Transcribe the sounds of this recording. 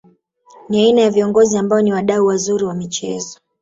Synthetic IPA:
niainajaviɔŋɡɔziambaɔniwaɗauwazuɾiwamit͡ʃɛzɔ

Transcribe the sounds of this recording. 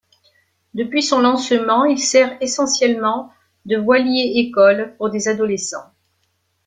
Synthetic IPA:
d̪əpɥisɔ̃lɑ̃səmɑ̃ilsɛʁesɑ̃sjɛlmɑ̃ | d̪əvwaljeekɔlpuʁd̪ezad̪ɔlesɑ̰̃

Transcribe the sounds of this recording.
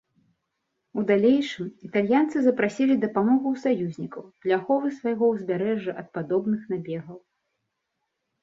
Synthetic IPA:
ud̪alʲejʂɨmit̪alʲjant̪sɨzɐpɾasʲilʲid̪ɐpamɔɣuwsajuzʲnʲikɐwplʲaxɔvɨsvajɣɔwzʲbʲaɾɛʐːɨʔɐt̪̚pad̪ɔbnɨxnabʲɛɣɐw

